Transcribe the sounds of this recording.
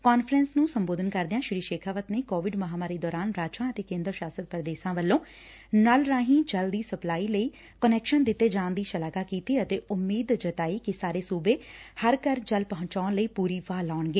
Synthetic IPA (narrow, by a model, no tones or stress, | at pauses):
kaːnfʰɾɛnsnũːsəmboːd̪ənkəɾd̪eãːʃɪɾiːʃeːkʰaːʋət̪neːkoːʋɪɖməɦaːmaːɾiːd̪ɔːɾaːnɾaːt͡ʃãːət̪eːkẽːnd̪əɾʃaːsəd̪̚pəɾd̪eːʃãːʋəlːõː | nəlɾãːɦĩːt͡ʃəld̪iːsəplaːiːləiː | kənɛːkʃənd̪ɪt̪ːeːd͡ʒãːnd̪iːʃəlaːɡaːkiːt̪iːət̪eːʊmːiːd̪d͡ʒət̪aːiːkɪsaːɾeːsuːbeːhəɾkəɾd͡ʒəlpəɦʊ̃ɲt͡ʃaːnləiːpuːɾiːʋaːlaːɳɡeː